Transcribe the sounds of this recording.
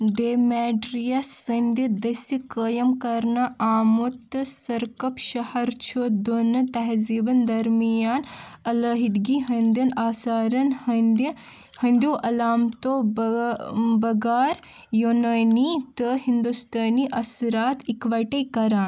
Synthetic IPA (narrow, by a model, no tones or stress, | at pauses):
ɖeːmeːɖɾijɐsɐnd̪ɐd̪ɐsikəːjɐmkɐɾnɐʔaːmut̪ːɨsɐɾkɐpʃɐhɐɾt͡ʃʰod̪onɐt̪ɐɦzibɐnd̪ɐɾmijaːnɐlɐɦid̪ɡiːɦɐnd̪ɐnaːsaːɾɐnhɐnd̪ɐ | hɐnd̪joːʔɐlaːmt̪o | bɐɡaːɾ | jonɐjnit̪əɦind̪ust̪ɐːniʔɐsɾaːt̪ikʋɐʈɐjkɐɾaːn